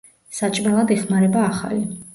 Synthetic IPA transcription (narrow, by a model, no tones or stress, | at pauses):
sat͡ʃʼmɛlˠad̪ɛχmaɾɛbaːχa̰li